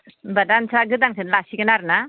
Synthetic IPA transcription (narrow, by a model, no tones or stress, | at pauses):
badansʰaɡɯdaŋsʰɯnlasikɯnaɾna